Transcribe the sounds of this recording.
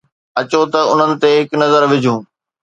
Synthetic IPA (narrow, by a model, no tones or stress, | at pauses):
ɐt͡ɕot̪ɐʊn̤ənɪ̆t̪eɦɪknɐzəɾʋɪd͡ʑʱũː